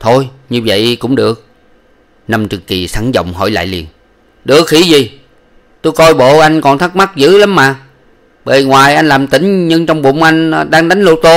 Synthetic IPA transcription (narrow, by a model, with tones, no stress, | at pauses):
t̪ʰo˧jɲɨ˧və̰˧˨jkʊ̰˧˥ŋ͡mɗɨ˨˩ək̚ | na˧mt͡ɕɨ˨˩kki˨˩sa˧˦ŋzə̰˧˨wŋ͡mɦɔ̰˧˩jla̰ː˧˨jlḭ˨˩ən | ɗɨ˨˩ək̚hi˧˩˦zi˨˩ | t̪o˧jkɔ˧jɓo̰˧˨ʔa˧jŋ̟kɔ˨˩nt̪ʰə˦˥k̚ma˦˥k̚zɨ̰˧˨˥la˨˦mːaː˨˩ | ɓə̰˧˨˩ŋwaː˨˩jʔa˧ŋ̟laː˨˩mt̪ï˨˩˦ŋ̟ɲɨ˧ŋt͡ɕɔ˧wŋ͡mɓʊ̰˧˨ŋ͡mʔa˧jŋ̟ɗaː˧ŋɗa˨˦jŋ̟lo˧t̪o˧